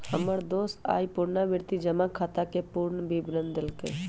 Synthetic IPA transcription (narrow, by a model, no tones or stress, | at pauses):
həməɾd̪oːsa̰ːipʊɾnaʋɪɾt̪id͡ʒəmãkʰaːt̪akepuɾɳəbʱibɾənd̪ɪlkḛ